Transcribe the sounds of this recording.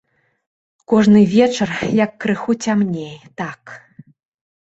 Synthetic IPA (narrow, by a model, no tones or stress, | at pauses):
kɔʐnɨvʲɛt͡ʂɐrjɐkːɾɨxut͡sʲamnʲejt̪ak